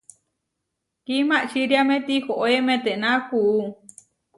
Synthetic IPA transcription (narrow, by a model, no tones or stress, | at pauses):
kimãʔt͡ʃiɾjamẽt̪ihoʔoemẽt̪eʔnakuʔu